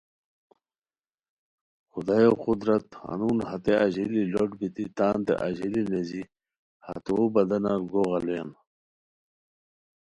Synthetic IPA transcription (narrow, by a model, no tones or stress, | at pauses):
xud̪aːjoqud̪ɾɐt̪a̰nuːnhɐt̪eɐʑililoʈbit̪it̪aːnt̪ḛʔaʑilinezi | ha̰t̪uobɐd̪ɐnaɡoːɣɐluen